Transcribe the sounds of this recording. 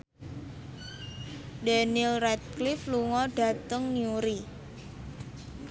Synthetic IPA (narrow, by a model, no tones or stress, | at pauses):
dɛnilrɛt̪̚klɪfluŋɔɖ̥ä̤t̪əŋnjuɾi